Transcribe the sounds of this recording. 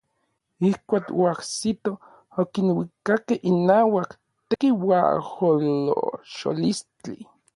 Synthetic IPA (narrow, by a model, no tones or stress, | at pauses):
ihkʷaːkoahsit̪o | okinwikakehinaːwak | t̪ekiwa̰holo̰ʃo̰list͡ɬḭ